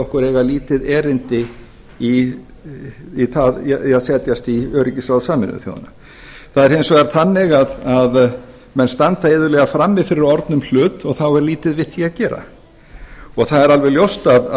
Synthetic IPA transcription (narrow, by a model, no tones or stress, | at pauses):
ɔhkʏɾɛːɣaliːt̪ɪðɛːɾɪnt̪ɪ | i | iθaðaðsɛːt̪jast̪iœːɾɪcɪsaðsaːmɪnʏ̰θjo̰wða̰na | θaðɛɾhejnsɔɣɛɾθanːɪɣaðað | mɛnst̪ant̪aeðʏɾlɛːɣafɾamːɪðfɪɾɪɾɔɾt̪nʏml̥ʏːt̪ɔɣθawɛɾliːt̪ɪðvɪðθiacɛːɾa̰ | ɔɣθaðɛɾalvɛɣljowst̪að